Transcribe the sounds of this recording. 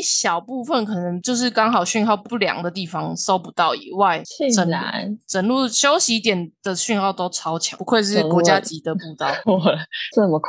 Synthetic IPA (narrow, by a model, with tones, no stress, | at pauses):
ɕjɑ˨˩ʊpu˥˧fə˨nkʰɤ˨˩nə˧˦ŋt͡ɕjo˥˧ʊʂ̬ɻ̩˥˩kɑ˥ŋɦɑ˨˩ʊɕy˥˧nxɑ˥˧ʊpu˥˩ljɑ̰˨˩ŋd̪ə˩t̪i˥˩fɑ˨ŋso˥ʊpu˧˦t̪ɑ˥˩ʊḭ˨˩wa˥˩ɪʈ͡ʂə˨˩˦n̰˥˧˦ʈ͡ʂə˨˩nlu˥˩ɕjo˥ʊɕi˧˥t̪jɛ˨˩nd̪̥ə˨ɕy˥˧nxɑ˥˩ʊt̪o˥ʊʈ͡ʂʰɑ˥ʊt͡ɕʰjɑ̰˨˦˩u˧˦kʰwe˥˧ɪʂ̬ɻ̩˥˩kwɔ˧˦t͡ɕja˦˥t͡ɕi˨˥d̪ə˨pu˥˧t̪ɑ˥˩ʊ˥ʈ͡ʂə˥˩mə˨˩kʰ